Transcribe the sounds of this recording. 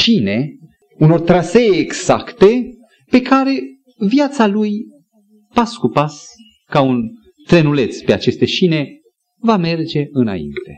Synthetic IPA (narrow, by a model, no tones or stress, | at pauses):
ʃine̞ | uno̞rt̪ɾaseːɡz̥a̰kt̪e̞ | pe̞kaɾe̞ | vjat̪saluj | paskupas | kaun | t̪ɾe̞nule̞t̪spe̞at͡ʃe̞st̪e̞ʃine̞ | vame̞rd͡ʒe̞ɨna̰ḭnt̪e̞